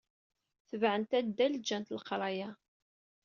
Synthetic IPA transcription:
θəvʕənt̪æd̪ːæld͡ʒænt̪ləqɾˤɑjæ

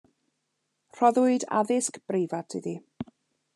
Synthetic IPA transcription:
r̥ɔðʊɨda̰ðɪskb̥rejvatʰɪði

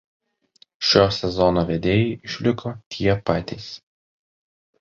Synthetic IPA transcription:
ʃʲoːsʲɛzɔnoːʋʲɛd̪ʲeːjɛɪʔɪʃʲlʲɪkʰoːt̪ʲʰiɛpɑːt̪ʲɛɪs

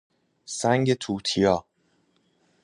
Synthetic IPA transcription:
sæŋɟe̞t̪ʰuːt̪ʰijɒː

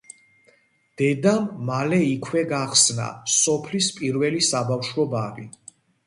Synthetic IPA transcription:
d̪̥ɛd̪amːalɛikʰwɛɡaχsna̰sɔpʰlispʼiɾvɛlisabafʃwɔbaɾi

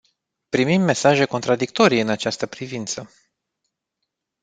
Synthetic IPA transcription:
pɾimimːe̞saʒe̞ko̞nt̪ɾad̪ik̚t̪o̞ɾijɨnat͡ʃast̪əpɾivint̪sə

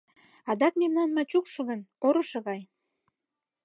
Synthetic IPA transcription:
ɑd̪ɑk̚memnɑnmɑt͡ɕukʃɤ̆ɣənoɾɤ̆ʃɤ̆ɣɑj

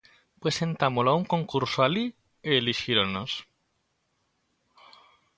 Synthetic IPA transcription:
pɾesẽ̞nt̪amolauŋkõ̞ŋkuɾsoali | eːliʃiɾonos

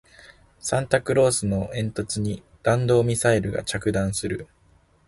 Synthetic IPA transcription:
sãnt̪akɯ̟ɾo̞ːsɨno̞ʔẽ̞nt̪o̞t͡sɨɲ̟i | d̪̥ãnd̪o̞ːmʲisaiɾɯ̟ɡa̰t͡ɕakɯ̟d̪ãɰ̃sɨɾɯ̟

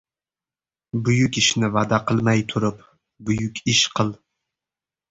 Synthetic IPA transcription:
bʊjʊkʲɪʃnɪvad̪aqʰɨlˠmajt̪ʰʊɾɪp | bʊjʊkʲʰɪʃqʰɨlˠ

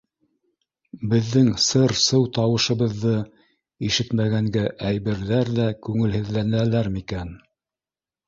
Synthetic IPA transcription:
bɘ̆ðːɘŋsɤɾsɤwt̪ɑwɤ̆ʃɤ̆βɤ̆ðːɤ | iʃɘt̪mæɣæŋɡæʔæjβɘ̆ɾðæɾðækʉŋɘ̆lhɘ̆ðlænælæɾmikæn

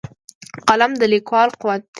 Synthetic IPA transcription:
qalamd̪əlikwɑlqʊwat̪̚

